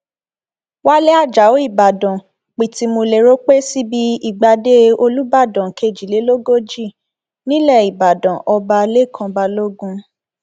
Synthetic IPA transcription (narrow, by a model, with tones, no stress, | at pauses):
wa˦le˦a˦˨d͡ʒa˨o˨˦i˦˨ba˨dã˨ | k͡pi˨ti˧mo˧le˨ɾo˦k͡pe˦si˦bi˦i˦˨ɡ͡ba˧de˦o˧lu˦ba˦˨dã˨ke˧˨d͡ʒi˨le˨˦lo˦ɡo˦d͡ʒi˦˨ | nĩ˦lɛ˦˨i˨ba˨dã˨ʔɔ˧ba˧le˦˨kʰã˧ba˧lo˦ɡũ˧